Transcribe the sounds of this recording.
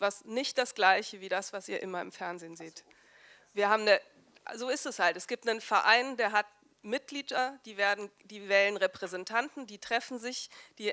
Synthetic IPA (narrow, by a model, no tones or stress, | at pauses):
vasnɪçt̚d̥asɡ̥laɪçəviːdasv̥asiːɐʔɪmɐɪ̰mfɛɐnzeːnzeːt | viːɐɦaːbm̩nə | zoːɪstɛshaltɛsɡ̥iːp̚tnənfɛɐʔaɪndeːɐɦat | mɪt̚ɡ̥liːdɐd̥iːveːɐdn̩d̥iːvɛːlənʁɛpʁ̥ɛzɛntʰantn̩diːtʁ̥ɛfn̩zɪçd̥iː